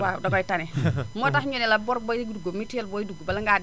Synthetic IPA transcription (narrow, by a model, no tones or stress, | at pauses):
wadoɡɔitanɛmotahɲunɛlabɔɾboɡuduɡomitjelbojduɡubalaŋɡad